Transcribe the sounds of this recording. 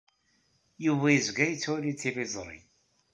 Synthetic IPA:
juvæjəzɡæjət͡sːwælit͡sːivizˤɾˤḭ

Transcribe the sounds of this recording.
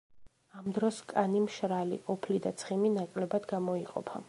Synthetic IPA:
amd̪ɾɔskʼanimʃɾalḭʔɔpʰlid̪at̪sʰχiminakʼlɛbad̪ɡamɔiqʼɔ̰pʰa̰

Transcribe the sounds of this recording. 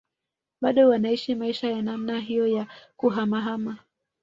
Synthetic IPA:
ɓaɗɔwanaiʃimaiʃajanamnaɦijɔjakuɦamaɦama

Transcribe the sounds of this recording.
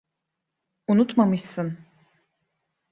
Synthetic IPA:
unut̪mamɯʃsɯn

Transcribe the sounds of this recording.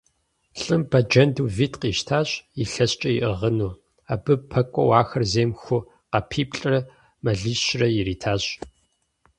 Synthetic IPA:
ɬʼɨmbɐd͡ʒɐnduːviːtqiːʃtʰaːɕjiɬɐɕt͡ʃʼɐjiʔəʁənuː | aːbɨpʰɐkʷʼɔwaːxɐrzeːmxʷʊ | qɐpʰiːpʼɬʼrɐ | mɐɮiːɕrɐjɪɾiːtʰaːɕʼ

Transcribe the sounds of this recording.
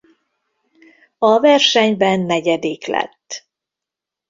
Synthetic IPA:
ɒvɛrʃɛɲbɛnːɛɟɛd̪iklɛ̰t̪ː

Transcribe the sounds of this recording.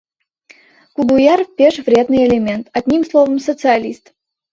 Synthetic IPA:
kʊɡʊjarpʲeʂvɾʲed̪nɨjelʲɪmʲe̞nt̪ɐd̪ʲnʲimslˠovəmsət̪sɨɐlʲist̪

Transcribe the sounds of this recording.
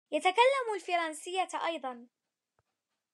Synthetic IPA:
jat̪akalːamʊlfɑɾˤɑnsɪjːaʔɑjd̪ˤɑn

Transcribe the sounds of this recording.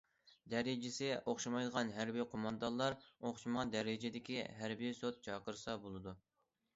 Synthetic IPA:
d̪æɾɪd͡ʒɪsɪʔoχʃɑmɑjd̪əʁɑnɦæɾbijqʰomɑnd̪ɑnlˠɑɾoχʃimʁɑnd̪æɾɪd͡ʒɪd̪ɪkʲiɦæɾbijsot̪̚t͡ʃʰɑqəɾɨsɑbolˠɨd̪u

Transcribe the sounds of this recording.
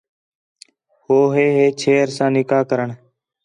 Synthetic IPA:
hoːɦeːɦeːt͡ʃʰeːɾsãːnɪkaːkəɾəɳ

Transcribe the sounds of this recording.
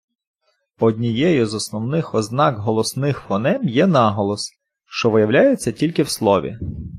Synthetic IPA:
ɔdʲnʲijɛjʊzɔsnɔwnɪxɔznɑkɦɔlˠɔsnɪxfɔnɛmjɛnɑɦɔlˠɔs | ʃt͡ʃɔʋɪjɐwlʲajet͡sʲːɐtʲilʲkɪwslˠɔʋʲḭ

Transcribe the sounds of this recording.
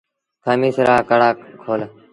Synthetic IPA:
t̪ʰaːmiːsɾaːkəɽaːkkʰːoːl

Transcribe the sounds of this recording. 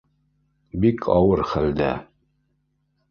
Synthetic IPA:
bikʰɑwɤɾχæld̪æ̰

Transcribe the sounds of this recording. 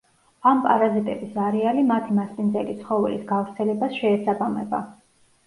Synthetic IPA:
ampʼaɾazit̪ʼɛbisaɾɛalimat̪ʰimaspʼind̪zɛlit̪sʰχɔvɛ̰lḭsɡavɾt̪sʰɛlɛbasʃɛːsabamɛba̰

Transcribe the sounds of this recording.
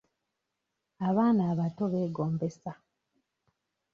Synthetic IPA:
aβaːnaːβato̞βe̞ːɡoːmbe̞sa

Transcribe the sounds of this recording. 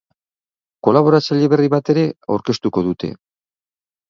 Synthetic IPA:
ko̞laβ̞o̞ɾat͡seʎiβe̞riβat̪e̞ɾe̞a̰wɾke̞st̪uko̞ðut̪e̞̰

